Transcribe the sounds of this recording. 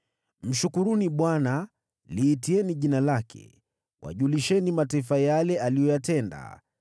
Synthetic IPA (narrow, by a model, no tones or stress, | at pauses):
m̩ʃukuɾuniɓwana | liːtiɛniʄinalakʰɛ̰ | wʔa̰ʄuliʃɛnimataifajalɛalijɔjatɛnda̰